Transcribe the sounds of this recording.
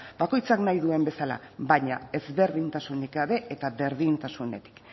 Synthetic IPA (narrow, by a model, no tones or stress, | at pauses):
bako̞jt͡saknajðue̞mbe̞sala̰βaɲae̞zβe̞ɾðint̪asunikaβe̞et̪aβe̞ɾðint̪asune̞t̪i̥k